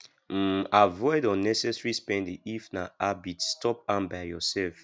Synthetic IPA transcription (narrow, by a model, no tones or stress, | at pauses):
avɔɪdɔnɛsɛsɹispɛ̃ndiʔifnaabitstɔp̚ãnbaɪjɔsɛlf